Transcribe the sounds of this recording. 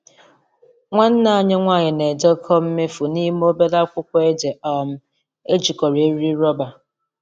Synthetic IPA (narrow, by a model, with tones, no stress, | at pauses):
ŋʷa˦n̩˦na˨˦ɲe˦ŋʷaː˦˨ɲɪ˨ne˨d͡ʒɔ˦kʰɔ˦m̩˦me˦fu˨ni˦m˦o˦be˦da˦kʷʊ˦kʷɔ˦e˦d͡ʒe˨ʔɔ˨m̩˦ | e˦d͡ʒi˨kɔ˨ɾe˨˦ɾi˦ɾɔ˦ba˨